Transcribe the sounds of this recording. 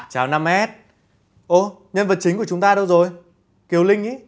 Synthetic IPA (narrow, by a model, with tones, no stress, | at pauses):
t͡ɕaː˨˦wna˧mhɛ˦˥t̚ | ʔo˧˩ | ɲə˧nvə˨˩t̚t͡ɕï˨˦ŋ̟ku˧˩ət͡ɕʊ˨˦ŋ͡mt̪aː˧ɗə˧wzo˨˩j | ki˨˦əwlï˧ŋ̟ʔi˨˦